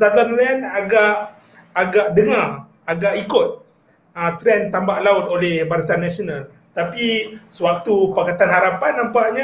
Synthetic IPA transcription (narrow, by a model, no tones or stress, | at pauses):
sad̪anlɛnaɡaʔː | ɡaʔdəŋar | aɡaʔikʊt̪̚ | ət̪ɾɛnt̪ambaʔlaʊt̪̚olɛhbaɾasanasonal | t̪apisəwak̚t̪upakat̪anhaɾapanːãmpaʔɲa